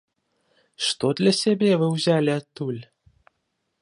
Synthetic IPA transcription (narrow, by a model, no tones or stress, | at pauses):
ʂt̪od̪lʲasʲebʲevɨwzʲælʲeat̪ːulʲ